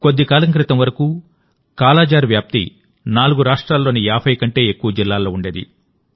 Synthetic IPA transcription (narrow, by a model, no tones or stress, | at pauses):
ko̞d̪ːikaːlɐŋk̬ɾit̪ɐmʋɐɾɐkuː | kaːlaːd͡ʒaːɾʋjaːp̚t̪ḭ | naːluɡuɾaːʂʈɾaːlːo̞ːniaːpʰɐjkɐɳʈe̞ːekːuʋɐd͡ʒilːaːlːo̞ːuɳɖe̞ːd̪ḭ